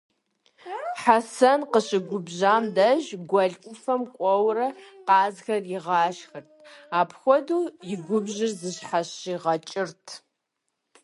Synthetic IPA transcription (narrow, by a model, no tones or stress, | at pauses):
ħasɐnqəɕɪɡʷʊbʑaːmdɐʒɡʷɐɮkʷʼʊfɐmkʷʼɔwrɐqɑːzxɐrjɪʁɑːʃxɐrtʰaːpʰxʷɔduːjɪɡʷʊbʑɪrzɨɕħaɕiʁɐt͡ʃʼɪrtʰ